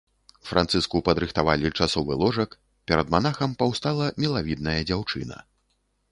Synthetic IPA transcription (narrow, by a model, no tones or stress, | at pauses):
fɾant̪sɨskupɐd̪ɾɨxt̪avalʲit͡ʂasɔvɨlˠɔʐɐk | pʲɛɾɐd̪manaxɐmpawst̪alˠɐmʲɛlˠavʲid̪̚nɐjɐd͡zʲawt͡ʂɨnɐ̰